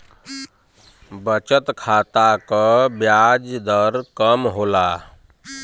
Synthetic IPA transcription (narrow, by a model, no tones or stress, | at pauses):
bət͡ʃət̪kʰat̪akəbjad͡ʒd̪əɾkəmɦola